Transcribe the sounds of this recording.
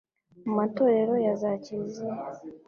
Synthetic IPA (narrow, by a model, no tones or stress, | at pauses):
umato̞ɾe̞ɾo̞jazacize